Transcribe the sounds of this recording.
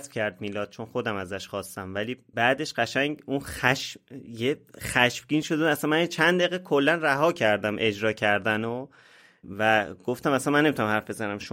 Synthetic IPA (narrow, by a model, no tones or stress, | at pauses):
sbcʰæɾd̪̚miːlɒːt̪̚t͡ʃʰo̞nxo̞d̪æmæzæʃχɒːst̪æmvæliːbæːd̪e̞ʃɢæʃæŋɟunxæʃjexæʃb̥ɟiːnʃo̞d̪æsænmænint͡ʃʰænd̪d̪eɣekʰolːænræɦɒːcʰæɾd̪æmʔe̞d͡ʒɾɒːcʰæɾd̪æno | væɡ̥oft̪æmæsænmænːemit̪unæmhæɾfbe̞zænæmʃo